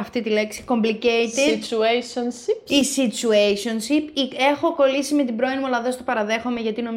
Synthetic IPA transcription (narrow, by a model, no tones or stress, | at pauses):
ɐft̪it̪ileksi̥ko̞mbliceit̪it͡ʃuesonsipisit͡suejso̞nsipie̞xo̞ko̞lisime̞t̪ibɾo̞inmuɐlɐðest̪opɐɾɐðe̞xome̞ʝɐt̪ino̞m